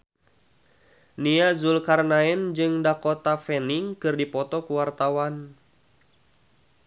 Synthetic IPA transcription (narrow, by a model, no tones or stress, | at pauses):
niazulkarnaɛnd͡ʒɨŋdakɔt̪afɛniŋkɨrdipɔt̪ɔkuwart̪awan